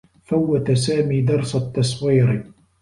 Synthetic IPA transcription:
fawːat̪asaːmiːd̪ɑɾˤsat̪ːɑsˤwiːɾ

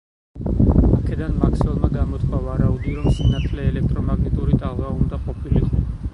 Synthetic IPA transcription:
akʰɛd̪anmakʰsɛɔlˠmaɡamɔt̪ʰχʰʼavaɾaud̪iɾɔmsinat̪ʰlɛːlɛk̚ʰt̪ʼɾɔmaɡnɛt̪ʼuɾit̪ʼaʁlˠvaund̪aqʼɔpʰiliqʼɔ

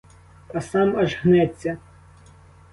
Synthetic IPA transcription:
pɐsɑmɐʒɣnɛt͡sʲːɐ

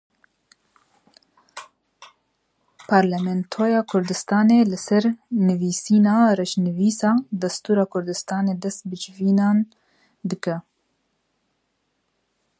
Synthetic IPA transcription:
pʰɑɾlɛmɛnt̪ʰoːjɑːkʰʊɾd̪ɨst̪ɑːnelɨsɛɾnɨviːsiːnɑːrɛʃnɨviːsɑːd̪ɛst̪uːɾɑːkʰʊɾd̪ɨst̪ɑːneːd̪ɛst̪̚bɨd͡ʒviːnɑːn | d̪ɨkɛ

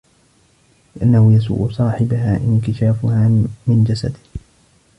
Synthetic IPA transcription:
lɪʔanːahʊjas̬ṵːʔʊsˤɑːħɪbaɦaːʔɪnkɪʃaːfʊhaːmɪnd͡ʒasa̰d̪ɪ

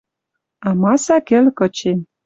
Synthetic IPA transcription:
ɑmɑsɑkĕlkɤ̆t͡ɕem

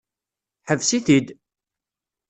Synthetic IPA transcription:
ħəvsiθid̪

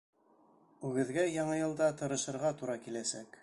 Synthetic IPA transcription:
ʉɡɘ̆ðɡæjɑɴɤjɤ̆lˠd̪ɑt̪ɤ̆ɾɤ̆ʃɤ̆ɾʁɑt̪uɾɑkilæsæk

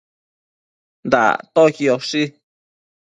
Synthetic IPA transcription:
nd̪a̰t̪okioʂi

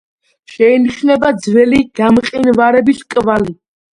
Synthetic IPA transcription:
ʃɛiniʃnɛbad̪zvɛliɡ̥amqʼinvaɾɛbiskʼvali

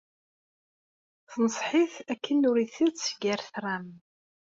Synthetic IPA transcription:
θnəsˤħiθækːənʊɾiθiðt͡sɡæɾθrˤam

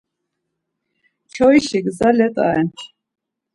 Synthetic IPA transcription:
t͡ʃʰɔiʃiɡzalɛt̪ʼa̰ɛn

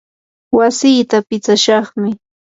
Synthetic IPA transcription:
wasiːt̪apɪt͡saʃɑχmɪ

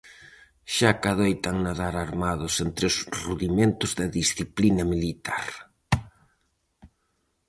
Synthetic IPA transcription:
ʃakaðojt̪aŋnaðaɾaɾmaðʊsent̪ɾosruðimẽnt̪ʊzðɐðisθiplinɐmilit̪a̰ɾ

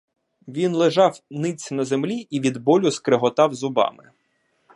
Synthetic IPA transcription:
ʋʲinlˠɪʒɑwnɪt͡sʲnɐzemlʲiiʋʲid̪bɔlʲʊskɾeɦɔt̪ɑwzʊbɑ̰mɪ̰

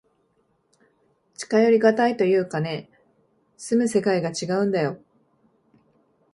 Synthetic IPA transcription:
t͡ɕi̥kajo̞ɾʲiɡat̪ait̪o̞jɯ̟ːkane̞ | sɨmɯ̟se̞kaiɡat͡ɕiɡaɯ̟̃nd̪ajo̞

